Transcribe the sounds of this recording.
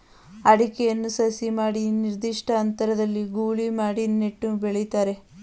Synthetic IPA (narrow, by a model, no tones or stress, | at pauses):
ɐɽikɛjɐnːusɐsimaːɽiniɾd̪iʂʈɐːnt̪ɐɾɐd̪ɐlːiɡuːɭimaːɽineʈːubeɭejt̪aːɾe̞